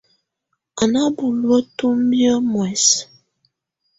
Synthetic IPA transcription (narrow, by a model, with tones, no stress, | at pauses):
a˨na˦bu˨lwə˦tu˦m˦bjə˦mwɛ˨s